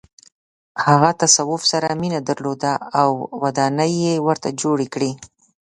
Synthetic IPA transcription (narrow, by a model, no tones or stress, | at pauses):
haɣat̪asawʊfsaɾaminad̪aɾlod̪aːwwad̪ɑnəjːewəɾt̪ad͡ʒoɽekɽi